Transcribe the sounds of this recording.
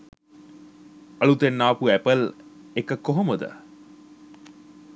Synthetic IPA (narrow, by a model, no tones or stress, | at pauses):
ɐlut̪enːaːpuæpəl | ekəkoɦoməd̪ə̰